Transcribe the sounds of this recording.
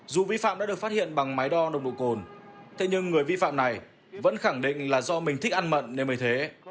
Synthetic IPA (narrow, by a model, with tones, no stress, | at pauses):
zu˨˩vi˧fa̰ː˧˨mɗa̰ː˧˥ɨ˨˩ək̚fa˦˥t̚hḭ˧˨ənɓa˨˩ŋma˨˦jɗɔ˧ɗə˧wŋ͡mɗo̰˧˨ko˨˩nt̪ʰe˨˦ɲɨ˧ŋːɨ˨˩əjvi˧fa̰ː˧˨mna˨˩j | və̰˧˥nxa˧˩ŋɗḭ̈˧˨ŋ̟laː˨˩zɔ˧mï˨˩ŋ̟t̪ʰi˦˥ʔa˧nmə̰˧˨nːe˧nməː˨˦jt̪ʰe˨˦